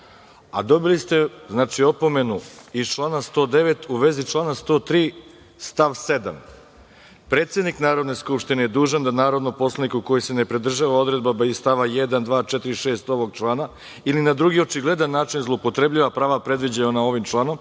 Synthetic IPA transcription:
a̰d̪o̞bilist̪e̞znaːt͡ʃio̞po̞me̞nuizt͡ʃlˠaːnast̪o̞d̪e̞ʋe̞t̪ʰuʋe̞zit͡ʃlˠaːnast̪o̞ːt̪ɾiː | st̪aʋse̞d̪a̰m | pɾe̞ːt̪sʲjed̪niknaːɾo̞d̪ne̞skupʃt̪inejed̪uːʒand̪anaːɾo̞d̪nopo̞slˠanikuko̞jise̞ne̞pɾid̪r̩ʒaʋao̞d̪ɾe̞d̪babaist̪aʋajed̪and̪ʋaːt͡ʃɛt̪iɾiʃe̞ːst̪o̞ʋo̞ɡ̚t͡ʃlˠaːna | ilinad̪ɾuɡio̞t͡ʃiɡle̞d̪anːaːt͡ʃinzlˠoupo̞t̪ɾe̞bʎiʋapɾaːʋapɾe̞d̪ʋid͡ʑaonao̞ʋimt͡ʃlˠaːno̞m

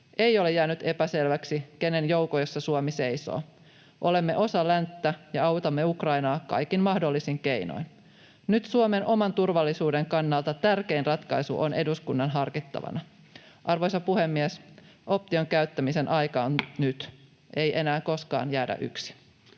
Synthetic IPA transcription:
ʔe̞jolejæːnyt̪e̞pæselʋæksikene̞njo̞wkojosːɑsuomise̞jso̰ː | ʔo̞le̞mːe̞̰ʔo̞sɑlænt̪ːæjɑɑwt̪ɑmːeukrɑjnɑːkɑ̰jkinmɑhdolːisiŋke̞ino̰jn | nyt̪suomenʔo̞mɑnt̪urʋɑlːisuːde̞ŋkɑnːɑlt̪ɑt̪ærke̞inrɑt̪kɑjsṵʔone̞duskunːɑnɦɑrkit̪ːɑ̰ʋɑ̰nɑ | ʔɑrʋo̞jsɑpuhemːiesʔo̞p̚t̪io̞ŋkæyt̪ːæmise̞nʔɑjkɑːnnyt̪ | ʔe̞jʔe̞næːko̞skɑ̰ːnjæːdæ̰ʔy̰ksi̥

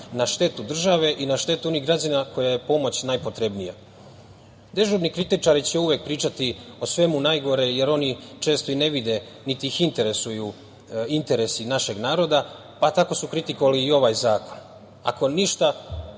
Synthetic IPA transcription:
naʃt̪e̞t̪ud̪r̩ʒaʋe̞ʔinaʃt̪e̞t̪uo̞niɦɡɾad͡ʑanako̞jaje̞po̞mo̞t͡ɕnajpo̞t̪ɾebnija̰ | d̪e̞ʒubnikɾit̪it͡ʃaɾit͡ɕeuʋe̞k̚pɾiːt͡ʃat̪iosʋe̞munajɡo̞ɾe̞je̞ɾo̞nit͡ʃe̞ːst̪oine̞ʋid̪e̞ | nit̪iixint̪e̞ɾe̞suju | int̪e̞ɾe̞sinaʃe̞ɡnaːɾo̞d̪a | pat̪ako̞sukɾit̪ikoʋaliːo̞ʋajzaːko̞n | a̰ko̞niʃt̪a

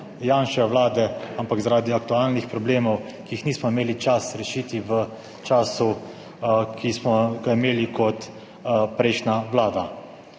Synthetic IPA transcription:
jaːnʃɛʋlaːd̪ɛampakzaɾaːd̪iak̚t̪uaːlnixpɾɔbleːmɔwkiixniːsmɔimeːlit͡ʃasɾɛʃiːt̪iʋə | t͡ʃaːsu | kismɔɡaimeːlikɔt̪ | pɾɛɪʃnaʋlaːd̪a

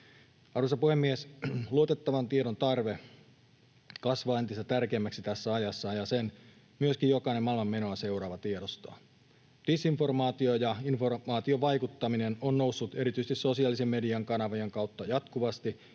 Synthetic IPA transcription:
ɑrusɑpuhe̞mːiesluot̪e̞t̪ːɑʋɑnt̪ieɾont̪ɑrʋe | kɑsʋɑːent̪ist̪æt̪ærkeːmːæksit̪æsːæɑjɑsːɑjɑsen | myøskijjo̞kɑinemɑilmɑmːe̞no̞ɑse̞uɾɑːʋɑt̪ieɾost̪ɑ̰ | d̥isinfo̞rmɑːt̪iojɑinformɑːt̪ioʋɑjkut̪ːɑminenonːnowsːut̪e̞ɾit̪yist̪iso̞siɑːlisemːe̞diɑŋkɑnɑʋieŋkɑwt̪ːɑjɑt̪kuʋɑst̪i

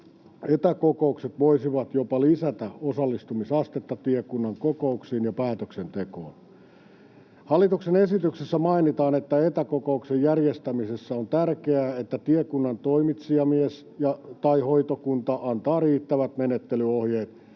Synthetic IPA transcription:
et̪ækokoukset̪ʋoisiʋɑt̪jopɑlisæt̪æosɑlːist̪umisɑst̪et̪ːɑt̪iekunːɑŋkokouksiːnjɑpæːt̪øksent̪eko̰ːn | hɑlːˑit̪uksenesit̪yksesːæmɑinit̪ɑːnet̪ːæet̪ækokouksejjærjest̪æmisesːæont̪ærkeæːet̪ːæt̪iekunːɑnt̪oimit̪siɑmies | jɑt̪ɑihoit̪okunt̪ɑʔɑnt̪ɑːriːt̪ːæʋæt̪menet̪ːelyohjeːt̪

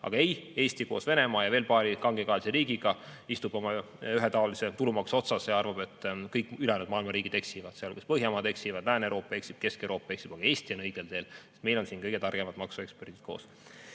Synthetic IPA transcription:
ʔɑ̰ɡ̥ɑe̞je̞ːsʲt̪iko̞ːsve̞ne̞mɑːjɑve̞ːlpɑːɾikɑŋɡekɑːliseɾiːɡiɡ̥ɑist̪ub̥o̞mɑ | yɦet̪ɑoliset̪ulumɑkso̞t̪sɑsjɑrvɑb̥e̞t̪ːˑkɤjkːˑylɛnud̪̥̚mɑːilmɑɾiːɡ̥id̪eksivɑd̪̥seolkuspɤɦjɑmɑːd̪e̞ksivɑd̪læːnewɾʔoːpːˑɑe̞ksib̥̚ke̞skewɾo̞ːpːˑɑeksib̥ɑɡ̥ɑe̞ːsʲt̪io̞nɤjɡ̥eld̪̥e̞ːle̥t̪me̞jlo̞nsiːnkɤjɡ̥e̞t̪ɑrɡ̥emɑd̪mɑksue̞ksperd̪̥it̪̚ko̞ːs

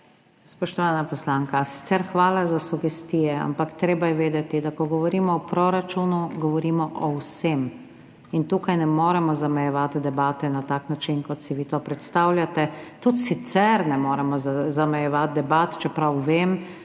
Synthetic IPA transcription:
spɔʃt̪ɔʋaːnapɔslaːŋkasi̥t̪sɛɾxʋaːlazasuɡɛst̪iːjɛa̰mpakt̪ɾeːbajɛʋeːd̪ɛt̪id̪akɔɡɔʋɔɾiːmɔɔpɾoːɾat͡ʃuːnuɡɔʋɔɾiːmɔʔɔwsem | int̪uːkajnɛmoːɾɛmɔzamɛjɛʋat̪d̪ɛbaːt̪ɛnat̪aːknat͡ʃinkɔt̪siʋiːt̪oːpɾɛt̪st̪aːwljat̪ɛt̪ut̪sit̪sɛɾnɛmoːɾɛmɔzamɛjɛʋat̪̚d̪ɛbaːt̪t͡ʃɛpɾawʋeːm

